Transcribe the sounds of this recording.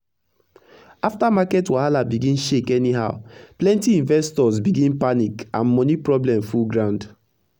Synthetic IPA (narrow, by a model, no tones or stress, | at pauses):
aftamakɛtwahalabiɡĩnʃekɛniɦaʊplɛ̃ntiĩnvɛstɔsbiɡĩnpanikã̰nmɔnipɹɔblɛ̃mfulɡɹãʊ̃nd